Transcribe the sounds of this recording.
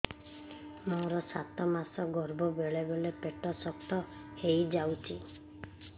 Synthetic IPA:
moɾɔsat̪ɔmasɔɡɔɾbɔbeɭebɔlepeʈɔsɔk̚t̪ɔhejd͡ʒawt͡ʃʰi

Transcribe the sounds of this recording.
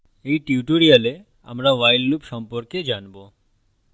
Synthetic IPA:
ejʈiuʈoɾiale | a̰mɾaʋajllupʃɔmpoɾked͡ʒanbo

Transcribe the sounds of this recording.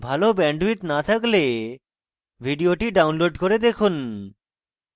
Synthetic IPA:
bʱalobɛɳɖwit̪nat̪ʰakle | bʱiɖioʈiɖawnloɖkoɾed̪ekʰun

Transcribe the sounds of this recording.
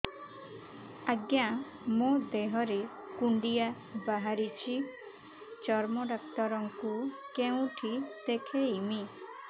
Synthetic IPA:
aɡja | mod̪eɦɔɾe | kuɳɖija | baɦaɾit͡ʃʰi | t͡ʃɔɾmɔɖɔk̚t̪ɔɾɔŋkukeũʈʰit̪ekʰeimi

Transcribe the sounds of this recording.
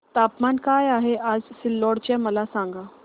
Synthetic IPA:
t̪apmankajaɦeʔad͡zsilːɔɽt͡ɕɛməlasãŋɡa

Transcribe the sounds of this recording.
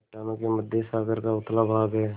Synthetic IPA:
t͡ʃaːnãkeməd̪ʱːesaːɡəɾkaʊt̪labʱaːɡəe

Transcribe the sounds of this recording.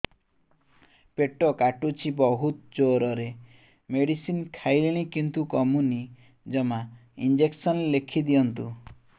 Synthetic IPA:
peʈɔkaʈut͡ʃʰibɔɦut̪d͡ʒoɾɔɾe | meɽisinkʰajliɽ̃ikint̪ukɔmuni | d͡ʒɔmaind͡ʒeksɔnlekʰid̪iɔnt̪u

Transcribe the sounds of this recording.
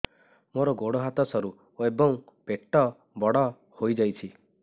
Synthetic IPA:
moɾɔɡoɽɔɦat̪ɔsɔɾu | ebɔŋpeʈːɔ | bɔɽɔ | hojd͡ʒajt͡ʃʰi

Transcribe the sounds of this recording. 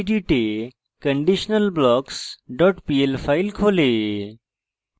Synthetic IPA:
ɖiːʈe | kəɳɖiːʃnəlblɔːksɖɔːʈpiːelfʰaːɪlkʰoːleː

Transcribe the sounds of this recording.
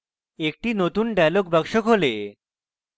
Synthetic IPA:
ek̚ʈinot̪unɖalokbakʃokɦole

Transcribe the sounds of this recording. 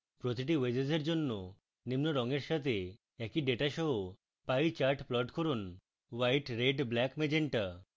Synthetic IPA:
pɾot̪iʈ̬iwed͡ʑezeɾd͡ʑonːo | nimnoɾɔŋeɾʃat̪ʰe | ɛkiɖeʈaʃɔɦo | pajt͡ɕaɾʈplɔʈkoɾun | wajʈɾeɖblɛkmed͡ʑeɳʈa

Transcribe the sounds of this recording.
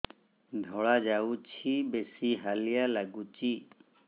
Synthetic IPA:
d̪ʱɔːɭad͡ʒaut͡ʃʰibesiɦaːlijalaɡut͡ʃiː

